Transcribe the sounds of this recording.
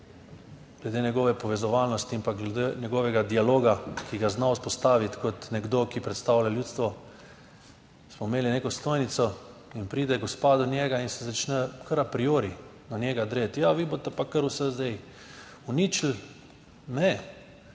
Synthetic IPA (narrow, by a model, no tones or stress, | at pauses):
ɡ̥lɛd̪eːnɛɡɔːʋɛpɔʋɛzɔʋalnɔst̪iimpaɡlɛd̪enʲɛɡɔʋɛɡad̪ialoːɡakiɡaznauspɔst̪aːʋit̪kɔt̪nɛɡd̪okipɾɛt̪st̪awlʲaljuːt̪st̪ʋɔ | smɔmeːlineːkɔst̪oːjnit̪sɔinpɾiːd̪ɛɡɔspaːd̪unjɛɡainsɛzat͡ʃnəkʰəɾapɾijoːɾi | nanjɛːɡad̪ɾet̪jaʋibot̪ɛpakəɾusɛzd̪ɛj | unit͡ʃl̩ | nɛ